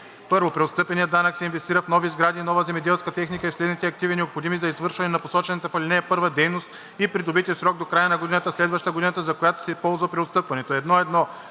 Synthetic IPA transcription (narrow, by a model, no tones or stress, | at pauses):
pɤɾvopɾɛot̪st̪ɤpɛnijəd̪anəksɛinvɛst̪iɾəfnɔvizɡɾad̪iːnɔvəzɛmɛd̪ɛlˠskət̪ɛxnikəifslɛd̪nit̪ɛɐk̚t̪ivinɛopxod̪imizɐizvɤɾʃvɐnɛnɐposɔt͡ʃɛnɐt̪ɐfɐlʲinɛɛpɤɾvɐd̪ɛjnost̪ | ipɾid̪obit̪ʲisɾɔɡ̚d̪okɾajənɐɡod̪inət̪əslɛd̪vɐʃt̪əɡod̪inət̪əzɐkojat̪o̥sɛpɔlˠzvɐpɾʲɛot̪st̪ɤpvɐnɛt̪oɛd̪nɔɛd̪nɔ